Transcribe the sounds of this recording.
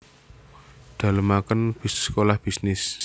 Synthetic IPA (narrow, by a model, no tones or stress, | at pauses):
d̪̥ä̤ləmakənb̥isskolahb̥i̤snɪs